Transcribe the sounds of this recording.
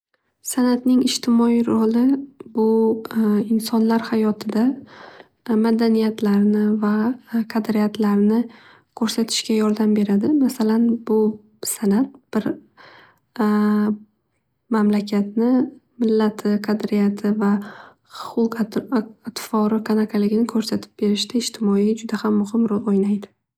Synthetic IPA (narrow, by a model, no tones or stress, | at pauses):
sanat̪nɪŋɪd͡ʒt̪ʰɪmɒiɾʊlˠɪbʊ | ɪnsɒnlaɾhajɒt̪ʰɪd̪a | mad̪anijat̪ʰlaɾnɪvaqʰɑd̪ɾɪjat̪ʰlaɾnɪ | kʰɵɾsat̪ʰɪ̥ʃkʲajɒɾd̪ambe̞ɾad̪ɪmasalanbʊ | sanat̪̚b̥ɪɾ | mamlakʲʰat̪nɪmɪlːat̪ʰɪqʰad̪ɾijat̪ʰɪva | χʊlˠq | at̪fɒɾɪkʰanakʰalɪɡʲɪnɪkʰɵɾsat̪ʰɪ̥p̚be̞ɾɪʃt̪aɪʃt̪ʰɪmɒid͡ʒʊd̪ahamːʊhɪmɾɒlˠojnajd̪ɪ̥